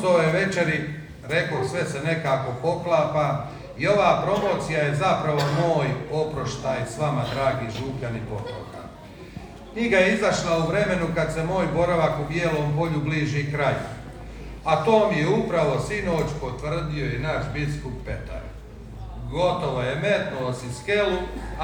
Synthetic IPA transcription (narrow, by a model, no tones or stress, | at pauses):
oojeʋe̞t͡ʃe̞ɾi | ɾe̞kosʋe̞se̞ne̞kaːko̞po̞klˠaːpa | io̞ʋaːpɾo̞mo̞ːt̪sijaje̞zapɾaʋo̞mo̞ːjo̞pɾo̞ʃt̪aːjsʋamad̪ɾaːɡiːʒuːkʎanipo̞t̪o̰ːka̰ | kɲiɡajeizaʃlauʋɾe̞me̞nukad̪se̞mo̞ːjbo̞ɾaʋakubjeːloːmpo̞ʎubliːʒikɾajṵ | at̪oːmijeupɾaʋo̞sino̞ːt͡ɕpo̞t̪ʋrd̪io̞inaʃbiskupːe̞t̪a̰ɾ | ɡo̞t̪o̞ʋo̞jemet̪nuosiskelu